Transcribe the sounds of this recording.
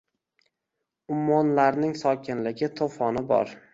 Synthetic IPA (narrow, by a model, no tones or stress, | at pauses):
ʊmːɒnlaɾnɪŋsɒkʲʰɪnlɪɡʲɪt̪ʰofɒnɪbɒ̰ɾ